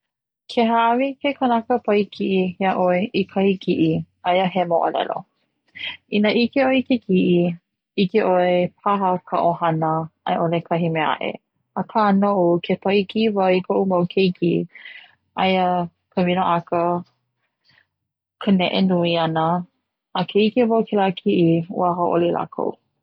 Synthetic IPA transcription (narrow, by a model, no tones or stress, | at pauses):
kʰeɦaɐvikʰekənɐkəpɐikʰiʔihiaʔoeʔikʰɐhikʰiʔi | ɐjəɦemoʔɐ̰lɛ̰lo̰ | ʔinəʔikeoekekʰiʔi | ikeʔoepʰaɦəkʰɐ̰ʔohɐnəɐ̰jʔolekʰɐɦimea̰ʔḛ | əkʰanoʔukʰetʰaikivɐikʰoʔumɐwkʰejkʰi | ʔɐjə | kʰəminoʔakə | kʰənɛʔenuiɐnəː | kʰeikevawkʰelakʰiʔiṵaɦoʔo̰lilʔa̰kʰo̰w